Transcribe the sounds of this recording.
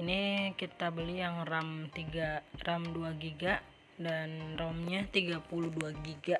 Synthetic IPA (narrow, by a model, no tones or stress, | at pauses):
inikit̪abəlijaŋramt̪iɡaramduaɡiɡaʔ | danromɲat̪iɡapuluduaɡiɡa